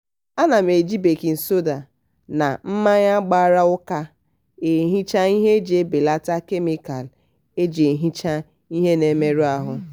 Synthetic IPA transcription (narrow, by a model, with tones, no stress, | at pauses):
a˦na˨m˨e˨d͡ʒi˦be˨ki˨n̩˨so˦da˨ | na̰˨m̩˦ma˦ɲa˦ɡ͡ba˦ɾa˦ʊ˦ka˦ | e˨ɦi˦t͡ʃa˦i˦ɦe˦d͡ʒe˨˦be˨la˦ta˦ke˦mi˦ka˨l | e˦d͡ʒe˨ɦi˦t͡ʃa˦ | i˦ɦe˦ne˨˦me˦ɾu˦a˦ɦʊ˦